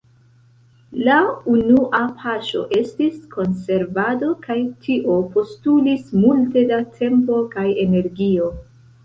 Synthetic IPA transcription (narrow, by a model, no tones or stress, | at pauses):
launuʔapʰaʃo̞̰ʔe̞stiskʰo̞nse̞ɾvado̞kajtʰiʔo̞po̞stulismulte̞datʰe̞mpo̞kaje̞ne̞ɾɡio̞